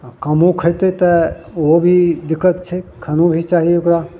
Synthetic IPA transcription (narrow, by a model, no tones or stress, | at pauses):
kɐmõkʰəjt̪et̪ə | obʱid̪ɪkːət̪t͡ʃʰekʰɐnõbʱit͡ʃaːɦijeʊkɾa